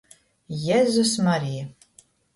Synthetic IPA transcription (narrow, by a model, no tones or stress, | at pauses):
jɛzusmaɾija